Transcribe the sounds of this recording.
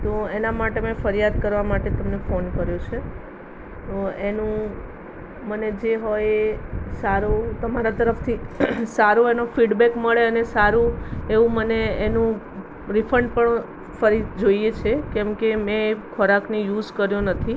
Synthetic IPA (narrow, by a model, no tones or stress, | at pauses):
t̪oenamaʈemɛ̃fəɾijad̪kəɾʋamaʈet̪əmnefonkəɾjot͡ʃʰe | t̪oenũ | məned͡ʒeɦojesaɾot̪əmaɾat̪əɾəft̪ʰisaɾoenofiɖbekməɭeənesaɾũeʋũməneenũ | ɾifʰəɳɖpəɳ | fəɾid͡ʒoiet͡ʃʰekɛ̃mkemɛ̃kʰoɾaknijuzkəɾjonət̪ʰi